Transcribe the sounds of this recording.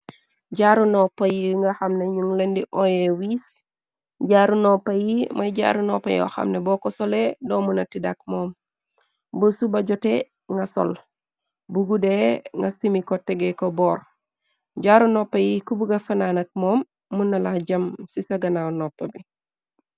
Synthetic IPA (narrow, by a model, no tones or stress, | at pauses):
ɟaɾunɔpːɐjiŋɡɐxɐmneɲuŋlendiʔɔjewis | ɟaɾunɔpːɐjimɐjɟa̰ɾunɔpːɐ̰jɔ̰xɐ̰mnebɔkɔsɔledɔmunɐtidak̚mɔːm | bosubɐɟɔte | ŋɡɐsɔ̰l | buɡudeŋɡɐsimikɔtɛɡekobɔːɾ | ɟaɾunɔpːɐjikubuɡɐfɐnaːnɐk̚mɔːmː | unːɐlaɟɐmsisɐɡɐnawnɔpːɐbi